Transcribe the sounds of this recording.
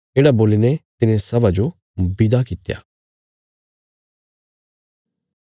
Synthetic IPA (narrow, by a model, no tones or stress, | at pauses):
eːɽaboːlinɛt̪ɪnẽsɐbad͡ʒo | bɪd̪akɪt̪ja̰ː